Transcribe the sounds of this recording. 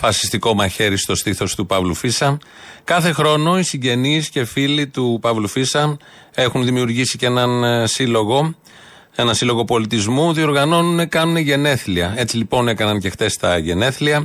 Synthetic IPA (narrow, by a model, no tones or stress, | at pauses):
fɐsi̥st̪iko̞mɐçe̞ɾist̪o̞st̪iθo̞st̪upɐvlufisɐ | kɐθe̞xɾo̞no̞isiɲɟe̞niːsce̞filit̪upɐvlufisɐ | e̞xunðimiuɾʝisiceenɐnsiloɣo | e̞nɐsilo̞ɣo̞po̞lit̪izmuðio̞ɾɣɐno̞nune̞kɐnune̞ʝe̞ne̞θliɐe̞t͡silipo̞ne̞kɐnɐnce̞xt̪e̞st̪ɐʝe̞ne̞θliɐ